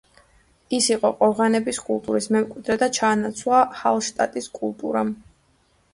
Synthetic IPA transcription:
isiqʼɔqʼɔʁanɛbiskʼulˠt̪ʼuɾismɛmkʼwid̪ɾɛd̪at͡ʃʰaːnat̪sʰwlˠahalˠʃt̪ʼa̰t̪ʼiskʼulˠt̪ʼṵɾam

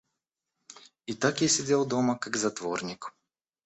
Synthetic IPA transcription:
it̪akɛsɛd̪ʲɛlˠd̪ɔməkaɡzɐt̪vɔɾnʲik

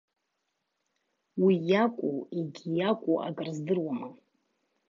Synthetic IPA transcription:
wijakʷʼuiɡʲijakʷʼuʔa̰kʼɨrzdɨrwama

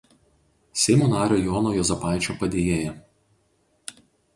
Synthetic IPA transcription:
sʲɛɪmuːnɑːɾʲoːjɔːnoːjɔzʲɐpɑˑɪt͡ʃʲoːpɐd̪ʲeːjeːjɛ

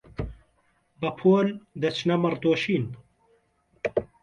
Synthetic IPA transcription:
bɐpʰoːld̪ɐt͡ʃʰnɐmɐrd̪oːʃiːn

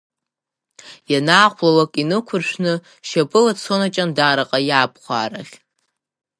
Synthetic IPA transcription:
janaːχʷlalakʼinɨkʷʰʊrʃʷᶣnɨ | ʃapʼɨlat͡sʰonat͡ʃʼandaːɾaqʼajaːpʰʼχʷa̰ːɾaχʲ

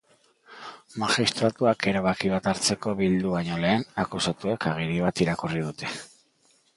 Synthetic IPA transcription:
maʝist̪ɾat̪uake̞ɾaβakiβ̞at̪aɾt͡se̞ko̞βild̪uβaɲo̞le̞ːnakusat̪uekaɣ̞iɾiβat̪iɾakurið̞ut̪e̞

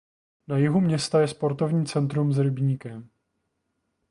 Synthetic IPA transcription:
najɪɦumɲɛst̪ajɛspo̞ɾt̪o̞vɲiːt͡sɛnt̪ɾumzɾɪbɲiːkɛm

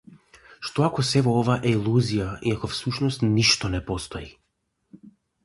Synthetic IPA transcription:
ʃt̪oakɔsɛvoɔvaʔɛilˠuzijaiakɔfsuʃnɔst̪niʃt̪ɔnɛpɔst̪ɔi

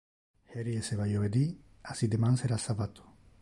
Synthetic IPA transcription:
heɾieseβajoβed̪i | asid̪emanseɾasaβat̪u̥

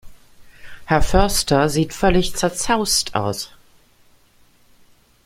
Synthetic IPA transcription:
hɛɐfœɐstʰɐziːtfœlɪçt͡sɛɐt͡saʊstʰʔa̰ʊs

